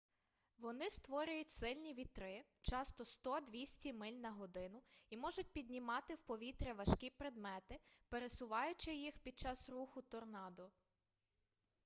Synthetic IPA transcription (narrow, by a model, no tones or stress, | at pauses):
ʋɔnɪst̪ʋɔɾʲʊjʊtʲsɪlʲnʲiʋʲit̪ɾɪ | t͡ʃɑst̪ɔst̪ɔd̪ʲʋʲisʲtʲimɪlʲnɐɦɔd̪ɪnʊimɔʒʊt̚ʲpʲid̪ʲnʲimɑt̪ɪwpɔʋʲit̪ɾʲɛʋɐʃkʲipɾed̪mɛt̪ɪpeɾesʊʋɑjʊt͡ʃɪjixpʲid̪̚t͡ʃɑsruxʊt̪ɔrnɑd̪ɔ